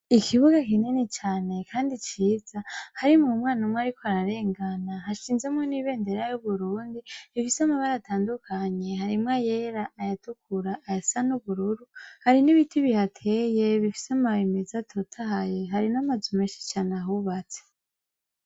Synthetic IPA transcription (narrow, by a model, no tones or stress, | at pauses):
ikʰiβuɡakinenet͡ʃaːne̞kʰaːndit͡ʃiːzahaɾimŋumŋaːnumwaɾikoaɾaɾe̞ːŋɡanaɦaʃiːnzemŋeniβe̞ːnde̞ɾajuβuɾuːndiβifisamaβaɾatʰaːndukʰaɲe̞ɦaɾimŋajeɾaʔːjatukuɾaʔːjasanuβuɾuɾuhaɾiniβitʰiβihatʰe̞jeβifi̥samaimezatʰotʰahajeɦaɾinamazumeːnʃi̥t͡ʃaːnaɦuβat͡se